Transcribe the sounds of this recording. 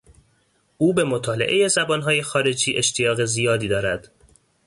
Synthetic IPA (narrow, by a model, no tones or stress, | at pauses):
uːbe̞mot̪ʰɒːleʔe̞je̞zæbɒːnɦɒːje̞xɒːɾe̞d͡ʒiːʔe̞ʃt̪ʰijɒːɣe̞zijɒːd̪iːd̪ɒːɾæd̪̥